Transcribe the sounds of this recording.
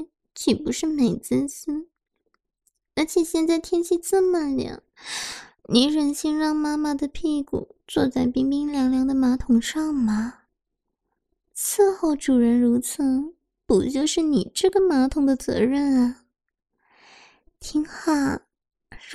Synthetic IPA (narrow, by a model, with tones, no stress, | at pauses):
t͡ɕʰi˨˩pu˧˥ʂɻ̩˥˩me˨˩ɪt͡sə˥nɕi˥n | ə˧˥t͡ɕʰjɛ˨˩ɕjɛ˥˧nt͡sa˥˩ɪt̪ʰjɛ˥nt͡ɕʰi˥˧t͡sɹ̩˥˩ma˥˩nljɑ̰˨˩˦ | ni˧˥ɻə˧˨˩nɕi˥nɻɑ˥˩ŋma˥ma˨˩d̪ə˩pʰi˥˧kṵ˨˩˦t͡swɔ˥˧t͡sa˥˩ɪpi˥ŋpi˥ŋljɑ˧˥ŋljɑ˧˥ŋd̪ə˧ma˧˥t̪ʰʊ˨˩ŋʂɑ˥˩ŋma˩ | t͡sʰɹ̩˥˧xo˥˩ʊʈ͡ʂu˨˩ɻə˧˥nɻu˧˥t͡sʰɤ˧˥ŋ | pu˨˩t͡ɕjo˥˧ʊʂɻ̩˥˩ni˨˩ʈ͡ʂɤ˥˩ɡə˩ma˧˥t̪ʰʊ˨˩ŋd̪ə˧t͡sɤ̰˧˥ɻə˥˩nɐ˩ | t̪ʰi˧˥ŋxa˨˩